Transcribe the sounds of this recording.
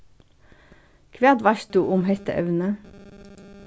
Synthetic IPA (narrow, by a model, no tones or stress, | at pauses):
kʰʋæʁd̪ʋɑʃt̪uʔʊmhɛst̪ə̰ʔœ̰ʉnə